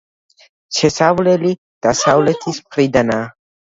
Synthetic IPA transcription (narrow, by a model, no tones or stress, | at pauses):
t͡ʃʰɛsavlɛli | d̪̥asavlɛt̪ʰismχɾid̪anaː